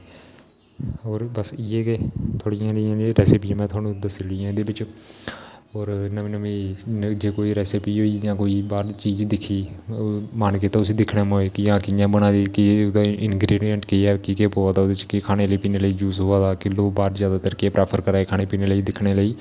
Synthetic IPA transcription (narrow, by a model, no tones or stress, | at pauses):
oːɾbəsɪːeːket̪ʰoːɽɪjãːlɪjãːɾɛːsɪpiãmɛ̃ːt̪ʰwaːnũːd̪əsɪliːãːd̪eːbɪt͡ʃ | oːɾnə̃nəʋĩːd͡ʒeːkoːiːɾɛːsɪpiːɦoːiːjãːkoːiːbaːɾt͡ʃiːd͡ʒd̪ɪkʰiː | mankeːt̪aːʊsiːd̪ɪkʰɽeːmoːeːkɪjãːkɪjãːbəɽãːd̪iːkɪd̪aɪnɡɾiːɖiəɳʈkeiːɛːkɪkepoːaːd̪aːoːd̪et͡ʃkɪkʰaːneːləiːpiːneːləiːd͡ʒuːsɦoːaːd̪aːkɪloːbaːɾzjaːd̪aːt̪əɾkeːpɾɛːpʰəɾkəɾaːeːkʰaːneːpiːneːləiːd̪ɪkʰːɽeːləiː